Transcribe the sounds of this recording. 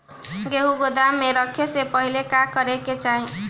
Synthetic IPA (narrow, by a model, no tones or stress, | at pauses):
ɡeɦuɡod̪ameɾʌkʰːesepʌɦilekakʌɾeket͡ʃaɦĩ